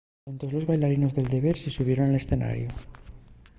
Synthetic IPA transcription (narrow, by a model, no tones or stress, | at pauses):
unt̪o̞zlo̞zβajlaɾino̞zðe̞ld̪e̞βe̞ɾsesuβ̞je̞ɾonale̞sθe̞na̰ɾjo